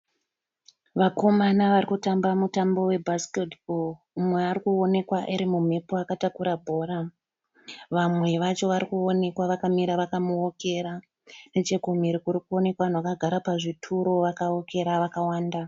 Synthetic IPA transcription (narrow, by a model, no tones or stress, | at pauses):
ʋako̞manaʋaɾikutambamutambo̞we̞bʱasketbʱol | mweːrikuone̞kwaʔiɾimumepoakatakuɾabʱo̞ːɾa | ʋamwe̞ʋat͡ʃo̞ʋaɾikuone̞kwaʋakamiɾaʋakamuoke̞ɾa | net͡ʃe̞ɡʱom̤iɾikuɾikuo̞ne̞kwan̤wakaɡʱaɾapaʐitʰuɾo̞ʋakao̞ke̞ɾaʋakawaːnda